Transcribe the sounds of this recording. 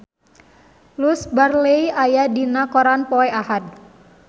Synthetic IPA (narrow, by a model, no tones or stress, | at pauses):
lusbarleiajadinakɔɾanpɔeahad̪̚